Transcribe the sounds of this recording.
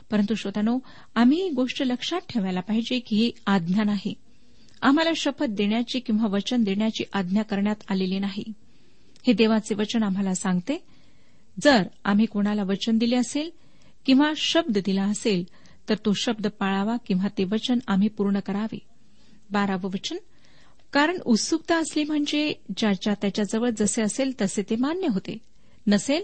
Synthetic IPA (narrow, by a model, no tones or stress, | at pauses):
pəɾənt̪uɕʋət̪ano | am̤iɦiɡoʂʈələkʂat̪̚ʈʰeʋajlapaɦid͡ʑekiɦiad̪njanaɦi | am̤alaɕəfət̪̚d̪eɳjat͡ɕiːkĩw̃ʋaʋət͡ɕənd̪eɳjat͡ɕiːʔad̪ʱnjakəɾɳjat̪alelinaɦḭ | hed̪eʋat͡seʋət͡ɕənam̤alasãŋɡt̪e | d͡zəɾa̰m̤iːkoɽ̃alaʋət͡ɕənd̪ileəsel | kĩw̃ʋaɕəb̚d̪əd̪ilaəsel | t̪əɾt̪oɕəb̚d̪əpaɭaʋakĩw̃ʋat̪eʋət͡ɕənam̤iːpuɾɳəkəɾaʋḛ | baɾaʋəʋət͡ɕən | kaɾəɳut̪suk̚t̪aəsliːm̤əɳd͡zed͡ʑat͡ɕjat̪jat͡ɕjad͡zəʋəɭd͡zəseəselt̪əset̪emanjəɦot̪ḛ | nəsel